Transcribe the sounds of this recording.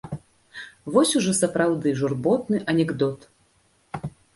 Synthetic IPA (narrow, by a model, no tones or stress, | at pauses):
vɔsʲuʐɔsɐpɾawd̪ɨʐurbɔt̪̚nɨʔɐnʲɛɡd̪ɔt̪